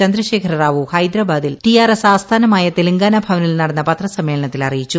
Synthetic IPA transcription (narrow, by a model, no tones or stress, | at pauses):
t͡ɕɐnd̪ɾɐɕe̞ːkʰɐɾraːʋuhɐjd̪ɾɐbaːd̪ilt̪ijaːɾesaːst̪ʰaːnɐmaːjɐt̪eliŋɡaːnɐbʱɐʋɐnilnɐɽɐnːɐpɐt̪rɐsɐmːeːɭɐɳɐt̪ːilɐrijit͡ɕːu